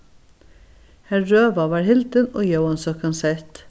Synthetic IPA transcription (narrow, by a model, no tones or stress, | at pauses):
hæɹøːʋɑʋɑːɹhɪld̪əno̰ːjəʊɑnsɔkɑnsɛt̪